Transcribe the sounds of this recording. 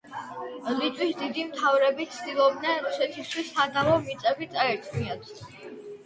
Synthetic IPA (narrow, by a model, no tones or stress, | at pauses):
lit̪sʼwisd̪id̪imt̪ʰavɾɛbit̪sʰd̪ilˠɔbd̪nɛnɾusɛt̪ʰist̪ʰwisːad̪avɔmit̪sʼɛbit̪sʼaɛɾt̪ʰmiat̪ʰ